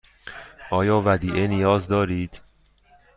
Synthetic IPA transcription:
ʔɒːjɒːvæd̪iːʔenijɒːzd̪ɒːɾiːd̪̥

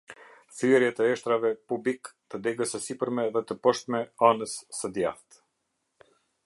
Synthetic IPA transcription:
θyɛɾjɛt̪əɛʃt̪ɾavɛpublikt̪əd̪ɛɡəsəsipəɾmɛðɛt̪əpɔʃt̪mɛanəsːəd̪jaft̪

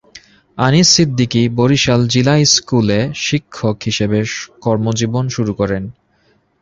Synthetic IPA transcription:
anisid̪ʱːikiboɾiʃald͡ʑilajskuleʃikʰːokɦiʃebekɔɾmod͡ʑibonʃuɾukɔɾen

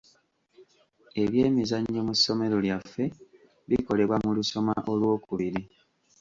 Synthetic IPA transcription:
e̞βjeːmizaɲɟomuso̞me̞ɾo̞ljafːe̞ | βiko̞le̞βwamuluso̞maʔo̞lwo̞ːkuβiɾi

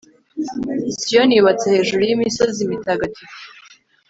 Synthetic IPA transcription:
sijoniβat͡sehe̞ːʒuɾujimiso̞zimitaɡatʰi

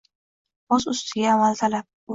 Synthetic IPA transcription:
ozʊst̪ʰɪɡʲaːmːalt̪ʰalap̚

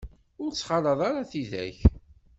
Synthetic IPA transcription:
ʊɾt͡sːχɑlɑðˤɑɾɑθiðæ̰ç

